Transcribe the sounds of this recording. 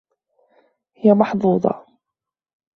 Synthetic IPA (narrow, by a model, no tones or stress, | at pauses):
hɪjamɑħd̪ˤuːd̪ˤɑ̰